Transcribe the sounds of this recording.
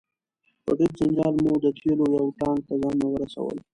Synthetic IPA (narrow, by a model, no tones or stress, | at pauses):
pəɖɪd̪̚zɪnd͡ʒɑːlmud̪ət̪ʰelojawʈɑːnt̪azɑnmawəɾasa̰wə̰l